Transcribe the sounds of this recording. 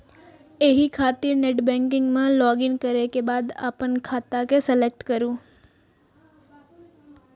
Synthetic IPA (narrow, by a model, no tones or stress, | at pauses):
eɦikʰat̪iɾneʈbɛ̃ŋkɪŋɡmãlɔɡɪnkəɾekebaːd̪a̰pənkʰaːt̪akesəlek̚ʈkəɾũː